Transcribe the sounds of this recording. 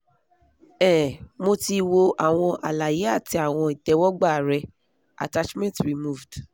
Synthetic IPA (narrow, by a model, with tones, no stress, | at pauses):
ɛ˦˨mo˧ti˧wo˧ʔa˨w̃ɔ̃˧ʔa˨la˨ji˨˦a˦˨ti˧a˨w̃ɔ̃˧i˨tɛ˨wɔ˦ɡ͡ba˦˨ɾɛ˧ | a̰˨ta˦t͡ʃmɛ̃˦ntɾi˨mu˦˨vd̥